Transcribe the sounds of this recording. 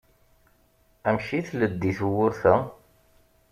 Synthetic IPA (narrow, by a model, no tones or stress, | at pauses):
æmʃiθləd̪ːiθwʊɾθæ